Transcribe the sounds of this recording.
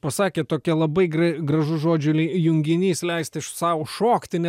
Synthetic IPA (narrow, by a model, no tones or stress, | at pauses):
pɐsɑːkʲeːt̪oːkʲɛlˠɐbɐɪɡrɐɡɾɐʒʊʒoːd͡ʒʲʊjʊŋʲɡʲɪnʲiːslʲɛɪsʲt̪ʲɪʃsɑːʊoʃoːkt̪ʲɪnʲɛ